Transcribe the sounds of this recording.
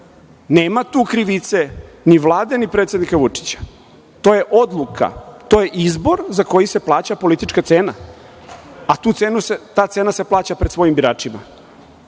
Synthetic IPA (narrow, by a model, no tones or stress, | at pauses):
neːmat̪uːkɾiʋit̪se̞niʋlˠaːd̪e̞nipɾeːt̪sjed̪nikaʋut͡ʂi̥t͡ɕḁ | t̪o̞je̞ʔo̞d̪lˠukʰa̰t̪o̞je̞ʔizbo̞ɾzako̞jise̞plˠaːt͡ɕapo̞lit̪it͡ʃkat̪seːna | at̪uːt̪seːnuset̪aːt̪se̞ːnase̞plˠaːt͡ɕapɾed̪sʋo̞jimbiɾaːt͡ʂima̰